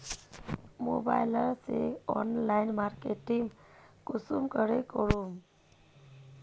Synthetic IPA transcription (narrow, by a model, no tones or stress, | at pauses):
mo̰ba̰ɪləɾseɔnlaɪnmaɾkeʈiŋɡkʊsumkəɾekɔɾum